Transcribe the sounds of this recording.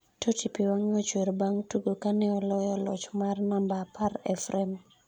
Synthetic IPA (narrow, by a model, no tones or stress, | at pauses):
totʰipiwaŋɔt͡ʃeɾbaŋtuɡokanɛɔlɔjɔlɔ̰t͡ʃmarnambapaɾɛ̰fɾɛm